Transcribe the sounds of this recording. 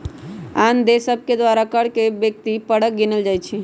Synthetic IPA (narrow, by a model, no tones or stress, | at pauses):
and̪esəbʱked̪waɾakəɽkebjək̚t̪ipəɽək̚ɡinəld͡ʒajt͡ʃʰi